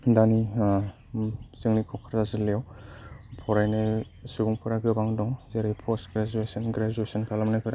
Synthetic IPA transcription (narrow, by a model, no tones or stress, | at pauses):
dani | zɯŋnikʰɔkʰaɾzazɯlejaw | pʰɔɾajnɯ | suɡuŋpʰɯɾaɡɯbaŋdɔŋzeɾipʰɔstɡɾad͡ʒuesɔnɡɾad͡ʒuesɔnkʰalamnakʰɯɾa